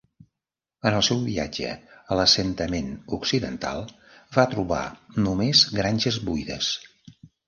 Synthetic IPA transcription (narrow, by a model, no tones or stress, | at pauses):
ənəlˠsɛwβiad͡ʒə̰ələsənt̪əmenuksiðə̰nt̪a̰lˠ | vat̪ɾuβa̰numezɡɾanʲʒəzβujðə̰s